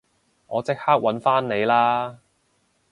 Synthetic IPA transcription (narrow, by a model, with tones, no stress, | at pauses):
ŋɔː˨˧t͡sɪ˥k̚haː˥k̚wɐ˨˥nfaː˥nne˨˧jlaː˥